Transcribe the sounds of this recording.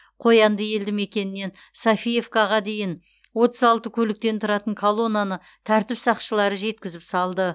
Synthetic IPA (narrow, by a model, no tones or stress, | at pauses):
qʰo̞jɑnd̪əje̞ld̪ɪme̞kʲe̞nɪne̞n | safije̞vkɑʁɑd̪e̞jɪn | wo̞t̪əzɑlˠt̪əkʲʰɵlɪk̚t̪e̞nt̪ʰʊɾɑt̪əɴkʰolˠo̞nanə | t̪ʰæɾt̪ɪpsɑqʃəlˠɑɾəʒe̞t̪̚kʲɪzɪpsɑlˠd̪ə